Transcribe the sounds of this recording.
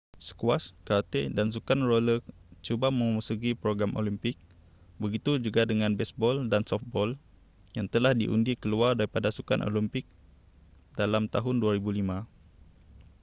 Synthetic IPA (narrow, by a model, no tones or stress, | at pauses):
sə̥kwaskat̪edans̬ukanrolət͡ʃubamə̃maməsuɡipɾoɡɾamʔo̰limpɪk̚ | bəɡit̪ud͡ʒuɡadəŋãnbɛsbɔldansɔft̪̚bɔl | jaŋt̪əlahdiʔṵndikəluardaɾipadasuka̰nʔo̰limpɪk̚ | dalamt̪aɦʊnduaɾibulimã